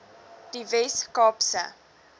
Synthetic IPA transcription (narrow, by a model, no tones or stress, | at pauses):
d̥ivɛskɑːpsə̰